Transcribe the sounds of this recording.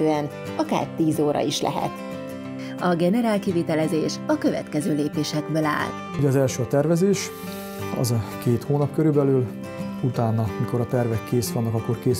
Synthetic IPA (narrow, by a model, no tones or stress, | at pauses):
øːɛn | ɒka̰ːrt̪iːzoːɾʔɒ̰iʃlɛ̰ɦɛ̰t̪ | ɒɡɛnɛɾaːlkivit̪ɛlɛzeːʃɒkø̞vɛ̰t̪kɛzøːleːpeːʃɛɡbøːla̰ːl | uɟɛɒzɛlʃøːɒt̪ɛrvɛzeːʃ | ɒ̰zɒkeːt̪hoːnɒpkøɾybɛlyl | ut̪aːnɒmiko̞ɾɒt̪ɛrvɛkːeːsʋɒnːɒkɒkːo̞rkeːs